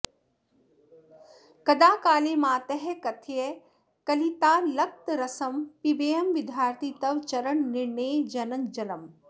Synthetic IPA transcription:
kɐd̪aːkaːleːmãːt̪ɛɦɛkɐt̪ʰie | kɐlit̪aːlɐk̚t̪ɾɐsɐmpibeːɐmʋɪd̪ʱjaːɾt̪ʰit̪ɐʋt͡ʃɐɾəɳnɪɾɳeːd͡ʒɐnɐŋd͡ʒɐlɐm

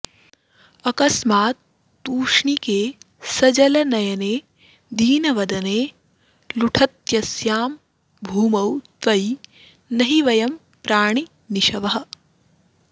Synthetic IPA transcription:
ɐkɐsmaːt̪̚ː | uːʂɳikeː | sɐd͡ʒɐlɐnɐjɐneː | d̪ʱiːnɐʋɐd̪ɐneː | luʈʰɐt̪jɐsjaːm | bʱuːmɐwt̪ʋɐj | nɐɦiʋɐjɐm | pɾaːɳ̃i | niʃɐʋɐɦɐ̆

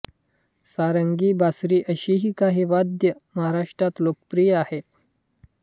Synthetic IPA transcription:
saɾəŋɡiːbasɾiːʔəɕiɦiːkaɦiːʋad̪jəməɦaɾaʂʈɾat̪lokəpɾijahet̪̚

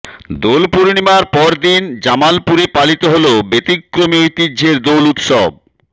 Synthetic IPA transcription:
d̪olpuɾnimaɾpɔɾd̪ind͡ʑamalpuɾepalit̪oɦolobet̪ikːɾomiojt̪idd͡ʑʱeɾd̪olut̪ʃɔb̚

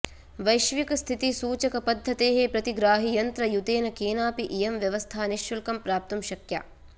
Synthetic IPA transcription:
ʋɐjʃʋikɐst̪ʰit̪isuːt͡ʃɐkɐpɐd̪ʱːɐt̪eːɦepɾɐt̪iɡɾaːɦijɐnt̪ɾɐjut̪eːnɐkeːnaːpiʔijemʋjɐʋɐst̪ʰaːniʃːulkɐmpɾaːp̚t̪umʃɐkja̰

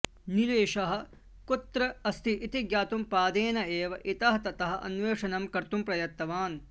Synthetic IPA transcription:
nileːʃɐɦɐ̆ | kut̪ɾɐɐst̪ʰiʔːt̪iɡjaːt̪umpaːd̪eːnɐeːʋɐʔit̪ɐɦɐt̪ɐt̪ɐɦɐʔɐ̰nʋeːʂɐnɐmkɐɾt̪umpɾɐjɐt̪ːɐʋaːn

